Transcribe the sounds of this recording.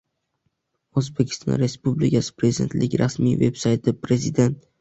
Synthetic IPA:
ozbekʲʰɪ̥st̪ʰɒ̰nɾe̞spublɪkʰʲasɪ̥pɾe̞zɪd̪e̞nt̪lɪkʲɾasmḭjve̞bsajt̪ʰɪpʰɾe̞zɪd̪e̞nt̪̚

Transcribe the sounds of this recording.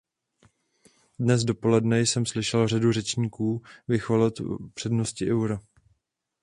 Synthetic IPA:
dnɛzdo̞po̞lɛdnɛjsɛmslɪʃɛlr̝adur̝ɛt͡ʃɲiːkuːvɪxolɛt̪pr̥ɛdnoscɪʔɛwɾa

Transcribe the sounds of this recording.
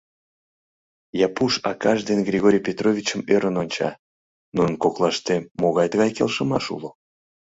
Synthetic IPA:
jɑpuʃɑkɑʒd̪enɡrʲiɣoɾʲijpʲet̪rovʲit͡ɕəmøɾənonʲt͡ɕɑ̰ | nuənkoklˠɑʃt̪emoɣɑjt̪əɣɑjkelʃəmɑʃṵlo

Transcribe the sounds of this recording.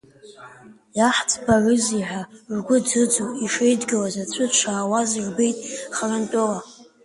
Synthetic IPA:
jaħt͡sʰʼbarɨziħʷᶣarɡʷʊd͡zɨd͡zowiʂejdɡɨlazat͡ɕʷʰɨt͡ʃʷʰaːwazirbe̞jtʼχarɨntʼola

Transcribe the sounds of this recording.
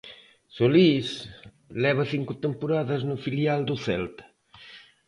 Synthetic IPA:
solis | lɛβɐθiŋkut̪empuɾaðɐznufiljald̪uθɛ̰lt̪ɐ̥

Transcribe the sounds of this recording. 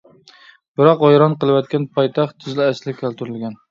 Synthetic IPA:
b̥ɪɾɑqojɾɑnqəlˠɨwɛt̪̚kʲɛnpʰɑjt̪ʰɑχt̪ʰːyzlɪæslɪkʲʰælt̪ʰyɾylɡʲɛn

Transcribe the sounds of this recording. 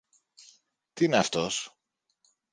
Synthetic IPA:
t̪ineɐft̪o̞s

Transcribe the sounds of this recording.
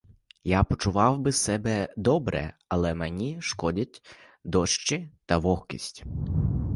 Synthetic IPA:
japɔt͡ʃʊʋɑwbɪsɛbɛd̪ɔbɾɛ̰ɐlˠɛmenʲiʃkɔdʲɐtʲ | d̪ɔʃt͡ʃɪt̪ɐʋɔhkʲḭsʲtʲ

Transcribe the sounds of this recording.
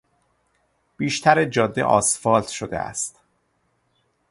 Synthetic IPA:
b̥iːʃt̪ʰæɾed͡ʒɒːd̪ːḛʔɒ̰ːsfɒːlt̪ʰʃod̪ḛʔæ̰st̪

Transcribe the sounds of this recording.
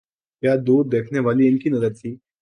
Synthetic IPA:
ɦjad̪uːɾd̪ekʰneʋaliːenkiːnəzəɾt͡ɕiː

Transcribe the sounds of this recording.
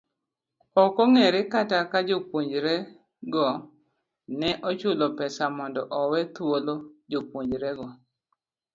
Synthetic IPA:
ɔkɔŋɛɾɪkatakad͡ʒopwoɲd͡ʒɾɛ | ɡɔ | nɛʔɔt͡ʃʊlɔpɛsamɔndɔʔɔwɛt̪wolod͡ʒopwoɲd͡ʒɾɛɡɔ

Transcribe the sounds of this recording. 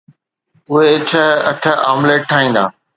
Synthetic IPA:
ʊɦet͡ɕʰɐɦɐʈʰəaːmleːʈʰːaːɦĩːnd̪a̰ː

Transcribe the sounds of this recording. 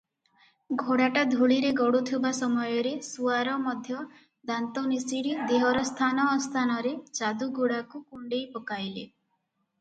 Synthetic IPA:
ɡʱoɽaʈad̪ʱuɭiɾeɡɔɽut̪ʰibasɔmɔjɔɾesuaɾɔmɔd̪ʱjɔ | d̪ant̪ɔnisiɽid̪eɦɔɾɔst̪ʰanɔːst̪ʰanɔɾet͡ʃad̪uɡʱuɽakukuɳɖejpɔkajlḛ

